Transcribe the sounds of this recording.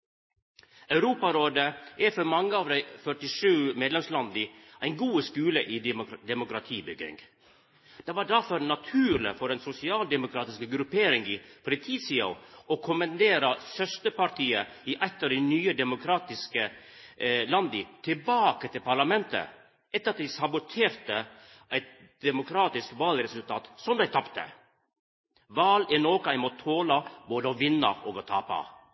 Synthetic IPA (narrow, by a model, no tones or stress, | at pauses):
œʉɾuːpɑɾoːd̪əʔɛfɔɾmɑŋːəɑːʋd̪æɪfœʈɪʂʉːmeːd̪lɛmslɑnd̪ɪʔæɪnɡuːəskʉːləʔɪd̪ɛmʊkɾɑt̪ʰiːbʏɡɪ̰ŋ | d̪̥ɛʋɑːɖæɾfɔɾnɑt̪ʰʉːɾlə̰fɔɾɛnsʊsɪɑːld̪ɛmʊkʰɾɑːt̪ɪskəɡɾʉpeːɾɪŋɪpʰɔɾɛt̪ʰiːsiːo̰ɔkʰʊmɛnd̪eːɾɑsœst̪əpɑʈʰiːə | ɪʔɛt̪ːəɖɛnyːəd̪ɛmʊkʰɾɑːt̪ɪskə | lɑnd̪ɪt̪ʰɪbɑːkət̪ʰɪlpʰɑɾɭɑmɛnt̪ə̰ | ʔɛt̪ːəɾɑt̪̚d̪ɛɪsɑbʊt̪ʰeːɾt̪ə | ʔæɪt̪̚ | d̪̥ɛmʊkʰɾɑːt̪ɪskʋɑːlɾɛsʉlt̪ʰɑːt̪sɔmd̪æɪt̪ʰɑpt̪ə̰ | ʋɑːlɛnoːkəæɪmɔt̪ʰoːlɑboːd̪əɔʋɪnːə̰ʔoːɡɔt̪ʰɑ̰ːpɑ̰